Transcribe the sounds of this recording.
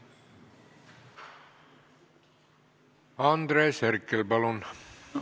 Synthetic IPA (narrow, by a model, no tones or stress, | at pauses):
ɑnd̪ɾeːserkːelbɑlon